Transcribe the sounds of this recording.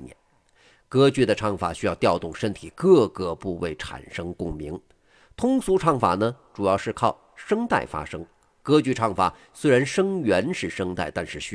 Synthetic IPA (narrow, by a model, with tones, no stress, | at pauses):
njɛ̰˧˥n | kɤ˥t͡ɕy˥˩d̪ə˩ʈ͡ʂʰɑ˥˩ŋfa̰˨˩ɕy˥jɑ˥˧ʊt̪jɑ˥˧ʊt̪ʊ˥˩ŋʂə˥nt̪ʰi˨˩kɤ˥˧kɤ˧˩pu˥˧we˥˩ɪʈ͡ʂʰa̰˨˩nʂɤ˥ŋkʊ˥˩ŋmḭ˧˥ŋ | t̪ʰʊ˥ŋsu˧˥ʈ͡ʂʰɑ˥˩ŋfa̰˨˩nə˧ʈ͡ʂu˨˩jɑ˥˧ʊʂɻ̩˥˧kʰɑ˥˩ʊ | ʂɤ˥ŋt̪a̰˥˩ɪfa̰˥ʂɤ˥ŋ | kɤ˥t͡ɕy˥˧ʈ͡ʂʰɑ˥˩ŋfa̰˨˩˦ | swe˥ɪɻa˧˥nʂɤ˥ŋɥɛ˧˥nʂɻ̩˥˩ʂɤ˥ŋt̪a̰˥˩ɪt̪a˥˧nʂɻ̩˥˩ɕ